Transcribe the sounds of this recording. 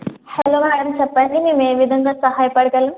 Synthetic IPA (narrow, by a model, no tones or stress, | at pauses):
hɐloːmaːɽɐmt͡ʃɛpːɐɳɖimeːmeːʋid̪ʱɐŋɡaːsɐɦaːjɐpɐɽɐɡɐlɐm